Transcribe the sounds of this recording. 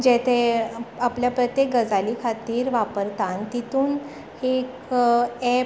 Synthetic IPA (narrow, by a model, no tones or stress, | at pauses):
d͡ʑɛt̪ʰẽapljapɾət̪jek̚ɡəd͡zaliːkʰat̪iːɾʋapəɾt̪ant̪it̪uːn | hek | ɛ